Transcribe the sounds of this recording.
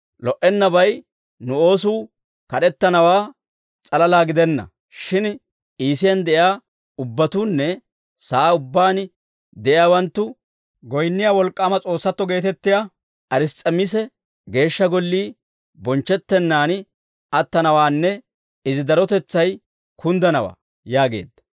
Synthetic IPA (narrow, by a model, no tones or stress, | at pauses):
lɔʔɛnːɐbɐj | nʊo̞ːsuː | kɐɗɛt̪ːɐnɐwaː | t͡sʼɐlɐlaːɡɪd̪ɛnːɐ̰ | ʃɪn | iːsɪjɐnd̪ɛʔjaː | ʊbːɐt̪uːnːɛ | saːʊbːaːn | d̪ɛʔɪjaːwɐnt̪ːʊ | ɡɔjnːɪjawɔlkʼːaːmɐt͡sʼo̞ːsːɐt̪ːɔɡe̞ːt̪ɛt̪ːɪja | ʔɐɾɪst͡sʼɐmɪs̬ɛ | ɡe̞ːʃːɐɡɔlːiː | bɔnt͡ʃːɛt̪ːɛnːaːn | ʔɐt̪ːɐnɐwaːnːɛ | ɪzɪd̪ɐɾɔt̪ɛt͡sːɐj | kʰʊnd̪ɐnɐwa̰ː | jaːɡe̞̰ːd̪ːɐ̥